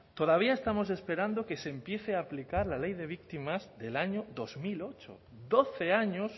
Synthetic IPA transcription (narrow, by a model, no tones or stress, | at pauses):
t̪o̞ð̞aβ̞iaest̪amo̞s̬e̞spe̞ɾand̪oke̞seːmpje̞θeaːplikaɾlalejðe̞β̞ik̚t̪imazðe̞laɲoðozmilo̞t͡ʃo̰ | d̪oθe̞aɲos